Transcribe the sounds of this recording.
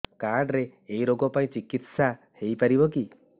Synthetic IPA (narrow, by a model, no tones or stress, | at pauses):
kaɾɖɾeːiɾoɡɔpaĩt͡ʃikit̪sa | hejpaɾibɔki